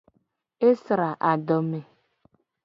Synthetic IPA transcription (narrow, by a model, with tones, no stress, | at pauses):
e˦sɾa˨ʔa˨dɔ˨me˨